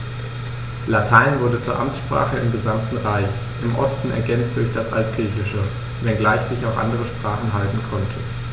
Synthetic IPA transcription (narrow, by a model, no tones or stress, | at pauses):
latʰaɪnvʊɐdət͡suːɐʔamt͡sʃpʁ̥a̰ːχəɪmɡəzamtn̩ʁaɪç | ʔɪmʔɔstn̩ɛ̰ɐɡɛnt͡std̥ʊɐçd̥asʔa̰lt̚ɡ̥ʁiːçɪʃə | vɛnɡlaɪçz̥ɪçaʊfʔa̰ndəʁəʃpʁ̥aːχn̩ɦaltn̩kʰɔntʰə